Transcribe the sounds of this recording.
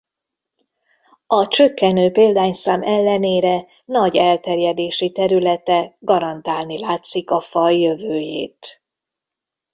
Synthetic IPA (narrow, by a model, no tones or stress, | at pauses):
ɒt͡ʃø̞kːɛnøːpeːld̪aːɲsaːmɛlːɛneːɾɛ | nɒɟɛlt̪ɛrjɛd̪eːʃit̪ɛɾylɛt̪ɛɡɒɾɒnt̪aːlnilaːt̪sikɒfɒjːøvøːjḛːt̪